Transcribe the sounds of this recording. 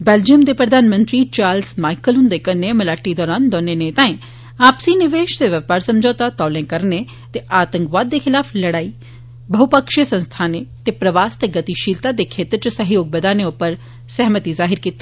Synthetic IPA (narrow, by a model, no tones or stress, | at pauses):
beːld͡ʒiəmd̪epɾɐd̪ʱaːnmə̃nt̪ɾit͡ʃaːɾlsmaːɪkəlɦʊ̃nd̪ekɐɾnemɐlaːʈid̪ɔːɾaːnd̪ɔːneneːt̪ãːẽ | aːpsinɪʋeːʃt̪eʋjɐpaːɾsɐmd͡ʒʱɔːt̪at̪ɔːlẽkɐɾne | t̪eʔaːt̪ə̃ŋkʋaːd̪̚ːexɪlaːfʰlɐɽaːi | bɐɦupəkʃjəsɐ̃nst̪ʰaːnet̪epɾɐʋaːst̪eɡɐt̪iʃiːlt̪ad̪ekʰeːt̪ɾt͡ʃsɐɦjoːɡ̚bɐd̪aːneʊpəɾ | sɛɦmət̪izaːɦɪɾkiːt̪ːi̥